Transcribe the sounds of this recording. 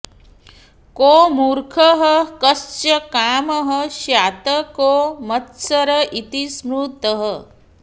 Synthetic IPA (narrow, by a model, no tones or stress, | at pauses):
koːmuːɾkʰɐɦəkɐst͡ʃɐkaːmɐɦəʃjaːt̪ɐkoːmɐt̪sɐɾɐʔit̪ismuːt̪əɦə